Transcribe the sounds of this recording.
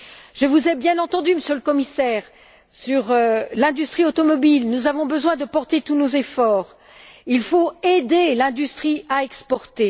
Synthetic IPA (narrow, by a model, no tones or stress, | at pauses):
ʒəvuzɛbjɛ̃nɑ̃t̪ɑ̃d̪yməsjøləkɔmisɛʁ | syʁølɛ̃d̪yst̪χiot̪ɔmɔbilnuzavɔ̃bəzwɛ̃d̪əpɔʁt̪et̪unozefɔːʁ | ilfoed̪elɛ̃d̪yst̪χiaɛkspɔʁt̪e